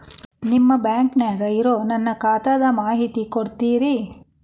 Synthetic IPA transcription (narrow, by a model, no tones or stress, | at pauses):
nimːɐbjaːŋkneːɡɐiɾoːnɐnːɐkaːt̪ɐd̪ɐmaːɦit̪ikoɽt̪iːɾi